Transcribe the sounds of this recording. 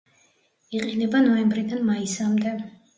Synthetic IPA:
iqʼinɛbanɔɛmbɾid̪anmaisamd̪ɛ

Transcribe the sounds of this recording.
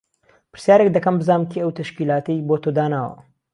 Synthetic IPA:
pɨ̥ɾ̥sjaːɾek̚d̪ɐkɐmbɨzaːnmt̪ʰiɐwt̪ʰɐʃkiːlaːt̪ɐjbot̪od̪aːnaːwɐ̰

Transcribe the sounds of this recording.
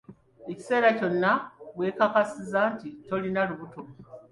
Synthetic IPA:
eci̥se̞ːɾaco̞nːaβwe̞ːkakasizaːntito̞linaluβutom

